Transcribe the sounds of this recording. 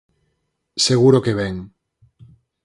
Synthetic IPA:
seɣ̞uɾokeβ̞ɛŋ

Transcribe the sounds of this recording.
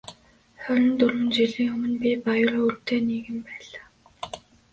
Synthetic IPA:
χœɾʲɪ̆nt̪ɵrwɘ̆nt͡ɕiɮiːŋɵmɵ̆npʲipajʊrurt̪ʰeːniːɣɘ̆mpæːɮaː

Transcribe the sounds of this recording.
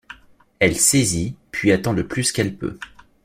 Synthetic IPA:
ɛlsezipʰɥiat̪ɑ̃d̪əplyskɛlpø̰

